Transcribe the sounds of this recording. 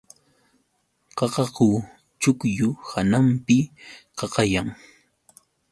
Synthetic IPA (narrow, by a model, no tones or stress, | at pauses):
qɑqɑqʊ | t͡ʃʊkjʊhanampɪqɑqɑjaŋ